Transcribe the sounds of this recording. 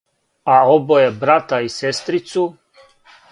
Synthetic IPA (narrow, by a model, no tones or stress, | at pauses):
aobojebɾat̪aisest̪ɾit̪su